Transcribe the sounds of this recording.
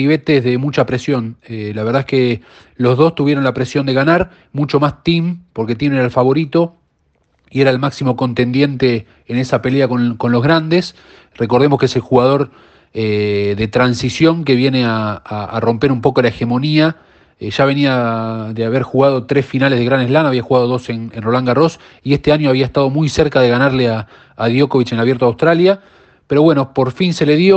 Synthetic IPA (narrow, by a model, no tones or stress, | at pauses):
iβe̞t̪eðe̞mut͡ʃapɾe̞sjo̞nelaβe̞ɾð̞aeke̞ | lo̞zðo̞st̪uβje̞ɾo̞nlapɾe̞sjo̞nd̪e̞ɣanaɾ | mut͡ʃo̞mast̪impo̞ɾke̞t̪jeneɾalfaβo̞ɾit̪o̞ | ie̞ɾaelmaksimo̞ko̞nt̪e̞nd̪je̞nt̪e̞ː | ne̞sape̞leakonko̞nlo̞ɦɣɾand̪es | re̞k̬o̞ɾð̞e̞moskese̞lxuɣað̞o̞ɾ | eðe̞t̪ɾansisjo̞ŋke̞βje̞ne̞aːro̞mpe̞ɾumpo̞kolae̞xe̞mo̞nia | ʒ̥aβ̞e̞niaðeaβ̞eɾxuɣað̞o̞t̪ɾe̞sfinalezð̞eɾanezlanaβiaxuɣað̞o̞ðo̞senenro̞laŋɡaro̞s | ie̞st̪eaɲo̞aβ̞iaest̪að̞omujseɾkað̞e̞ɣanaɾleaː | ðjo̞ko̞βit͡ʃenelaβje̞ɾt̪oawst̪ɾalja | peɾo̞βwe̞no̞po̞ɾfinse̞le̞ðjo